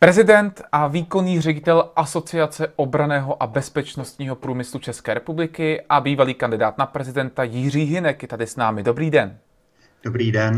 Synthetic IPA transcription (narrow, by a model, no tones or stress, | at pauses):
pɾɛzɪdɛnt̪ʔaviːko̞niːr̝ɛɟɪt̪ɛlʔaso̞t͡sɪat͡sɛʔo̞bɾanɛːɦo̞ʔabɛspɛt͡ʃno̞st̪ɲiːɦo̞pɾuːmɪslut͡ʃɛskɛːɾɛpublɪkɪʔabiːvaliːkandɪdaːt̪napɾɛzɪdɛnt̪ajɪr̝iːɦɪnɛkjɛt̪adɪsnaːmɪdo̞bɾiːdɛn | d̥obɾiːdɛn